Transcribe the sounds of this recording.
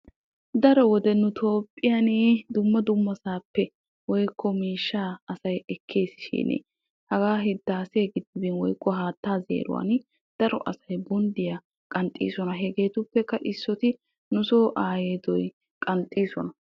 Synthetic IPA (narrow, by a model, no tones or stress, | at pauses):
d̪ɐɾɔwɔd̪ɛnʊt̪ʰo̞ːpʼːɪjand̪ʊmːɐd̪ʊmːɐsaːpːɛ | wɔjkʰːɔmiːʃːaːɐsɐjɛkʰːe̞ːsɪ̥ʃḭːnḭ | hɐɡaːɦɪd̪ːaːsɛɡɪd̪ːɪbɪnwɔjkːɔɦaːt̪ːaːzḛːɾʊ̰wa̰n | d̪̥ɐɾɔʔɐsɐjbɔnd̪ɪja | kʼɐnt̪ʼḭːsɔnɐɦɛɡeːt̪ʊpːɛkːɐʔɪsːɔt̪ɪ | nʊso̞ːʔaːjeːt̪ɔj | kʼɐnt̪ʼːiːsɔnɐ